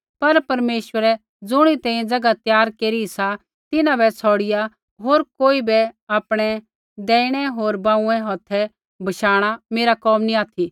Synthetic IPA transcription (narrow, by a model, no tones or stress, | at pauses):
pɐɾpɐɾmeːswəɾɛ | d͡zʊɽ̃it̪ɛ̃ːiẽd͡zɐɡat̪jaːɾkeːɾiisa | t̪ɪnãbɛt͡sʰɔːɽɪja | ɦoːɾkoːibɛaːpɽ̃ɛ | d̪ɛːɪɽ̃ɛɦoːɾbãːũɛ̃ɦɔːt̪ʰɛ | bʱɐʃaːɽ̃ameːɾakɔːmniaːt̪ʰi